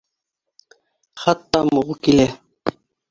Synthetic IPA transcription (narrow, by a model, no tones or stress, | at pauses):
χɑt̪ːɑmuʁukilæ